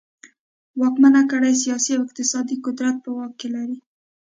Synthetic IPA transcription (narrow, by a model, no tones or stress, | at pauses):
wɑkmanakəɽajs̬ijɑsiawɪq̚t̪ɪsɑd̪ikʊd̪ɾat̪̚pəwɑkːelaɾi